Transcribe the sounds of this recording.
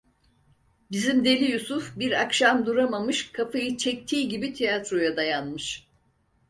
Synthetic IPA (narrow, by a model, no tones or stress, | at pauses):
bizimd̪e̞lʲijusufbiɾakʃamd̪uɾamamɯʃkʰafajɯt͡ʃʰɛc̚t̪ʰiːɟibit̪ʰijat̪ɾo̞jad̪ajanmɯʃ